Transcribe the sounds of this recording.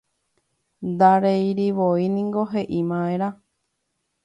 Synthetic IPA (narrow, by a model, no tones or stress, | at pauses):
nd̪aɾejɾiʋoinĩŋɡoɦeʔimãẽɾa